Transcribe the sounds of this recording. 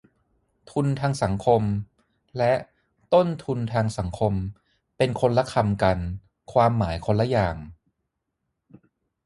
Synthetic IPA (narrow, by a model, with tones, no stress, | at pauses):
t̪ʰu˧nt̪ʰaː˧ŋsa˩˦ŋkʰo˧m | lɛ˦˥ʔ | t̪o˥˩nt̪ʰu˧nt̪ʰaː˧ŋsa˩˦ŋkʰo˧m | pe˧nkʰo˧nla˦˥kʰa˧mka˧n | kʰwaː˧mːaː˩˦jkʰo˧nla˦˥jaː˨˩ŋ